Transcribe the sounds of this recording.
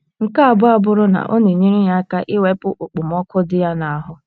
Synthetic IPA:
ŋ̩˨ka˦a˨bʊ˦a˦bʊ˦ɾʊ˦na̰˨ʔo̰˦ne˨ɲi˦ɾi˦ɲa˦ka˦ʔɪ˦we˦pʊ˦ʔu˨k͡pu˨m˦ɔ˦kʊ˦dɪ˦ja˦na˨a˨ɦʊ˦

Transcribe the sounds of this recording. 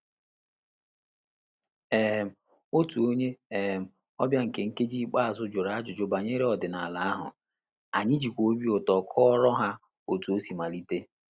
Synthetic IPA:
e˨ɦm̩˨ | o˦tu˨o˦ɲe˦e˨ɦm̩˨ | ɔ̰˦bja˦ŋ̩˨ke˨ŋ̩˦ke˦d͡ʒi˦k͡pa˦a˨zʊ˦d͡ʒo˨ɾa˨˦a˦d͡ʒʊ˨d͡ʒo˨ba˨ɲe˦ɾe˦ɔ˨dɪ˨na˨a˨la˦a˦ɦʊ̰˨ | a˨ɲɪ˦d͡ʒi˨kʷo˦bi˦o˨tɔ˨kʰɔ˦ɔ˦ɾɔ˦ɦa˦ | o˦tu˨o˦si˨ma˨li˦te˦

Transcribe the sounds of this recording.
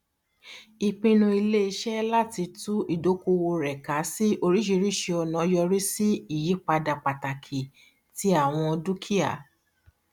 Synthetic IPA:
i˨k͡pĩ˧nũ˧i˧le˦i˧ʃɛ˦la˦ti˧tũ˦i˦˨do˨˦ko˧wo˧ɾɛ˨ka˨˦si˦ʔo˧ɾi˦ʃi˧ɾi˦˨ʃe˧ɔ˧nã˨˦jɔ˧ɾi˦si˦i˦˨ji˨˦k͡pa˧da˨k͡pa˨ta˨kʰi˨ | ti˦a˦˨w̃ɔ̃˧du˦kʰi˦a̰˨

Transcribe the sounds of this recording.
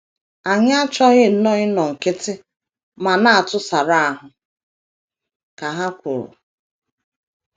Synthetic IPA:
a˨ɲ˦a˦t͡ʃɔ˦ɣɪ˦n̩˦nɔ˦ɲɪ˦nɔ˨ŋ̩˨kɪ˦tɪ˦ | ma˨na˦a˨tʊ˦sa˨ɾa˦a˨ɦʊ˨ | ka˨ɦa˦kʷʊ˨ɾʊ̰˨

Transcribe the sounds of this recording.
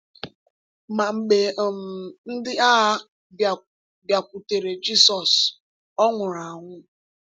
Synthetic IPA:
ma˨ŋ͡m̩˨ɡ͡be˨m̩˨n̩˦dɪ˦a˦˨ | bja˨kʷu˨te˨ɾe˨d͡ʒi˦sɔ˨s | ɔ˦ŋʷʊ˨ɾa˨ŋʷʊ˦

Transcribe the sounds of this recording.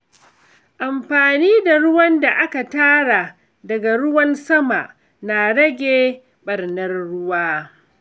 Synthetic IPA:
ʔa˨mɸaː˨niː˦da˨ɽʊ˦wɐ˦nda˨ʔa˦ka˨taː˦ɽa˨ | dɐ˨ɡa˨ɽʊ˦wɐ˦nsɐ˦ma̰˨ʔ | na˨ɽɐ˦ɡʲeː˨ | ɓɐ˨rnɐ˦rːʊ˦waː˦

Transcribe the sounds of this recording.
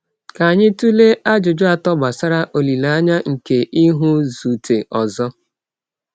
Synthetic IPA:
ka˨a˨ɲɪ˦tu˦le˦ʔa˦d͡ʒʊ˨d͡ʒo˦a˨tɔ˦ba˨sa˦ɾa˦ʔo˨li˨la˨˦ɲa˦ŋ̩˨ke˨ʔi˦ɦʊ˦zu˨tʰe˨ʔɔ˨zɔ˦

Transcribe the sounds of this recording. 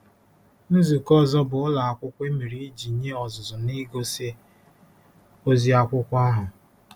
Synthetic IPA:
nu˦zu˨kɔ˦zɔ˦bʊ˨ʊ˦la˨a˨kʷʊ˦kʷe˦mi˨ɾi˨i˦d͡ʒi˨˦ɲe˦ɔ˨zʊ˨zʊ˨ni˦ɡo˦se˦ | o˦zi˦a˦kʷʊ˦kʷa˦ɦʊ˨

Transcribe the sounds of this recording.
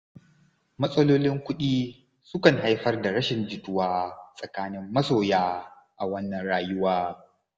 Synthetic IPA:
mɐ˦sʼɐ˦loː˦lɪ˦ŋkʷʊ˦ɗiː˦ | sʊ˦kɐ˨ŋɦa˦jɸɐ˦rda˨ɽɐ˦ʃɪ˨nd͡ʒɪ˨tʊ˦waː˦sʼɐ˨kaː˦nɪ˦mːɐ˦soː˨jaː˦ | ʔa˨wɐ˦nːɐ˨nɽaː˦jʊ˦waː˦

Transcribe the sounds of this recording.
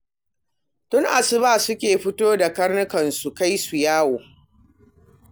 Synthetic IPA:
tʊ˦ŋʔa˨sɪ˦baː˦˨sʊ˦kʲeː˨ɸɪ˦toː˦da˨kɐ˦rnʊ˦kɐ˨nsu˨ka˦jsu˨jaː˦woː˨

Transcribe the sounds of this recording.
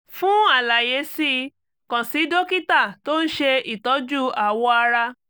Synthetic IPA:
fũ˦a˦˨la˨je˨˧˦si˦ | kã˨si˨˦do˦ki˦ta˦˨to˦ñ̩˦ʃe˧i˦˨tɔ˨˦d͡ʒu˦a˨wɔ˧a˧ɾa˧

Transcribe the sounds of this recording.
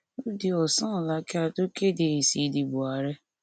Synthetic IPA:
o˦di˦ɔ˨sã˦˨la˨˦ke˦a˧to˦ke˦˨de˨e˨si˨˦˨di˨bu˨a˨ɾɛ˦

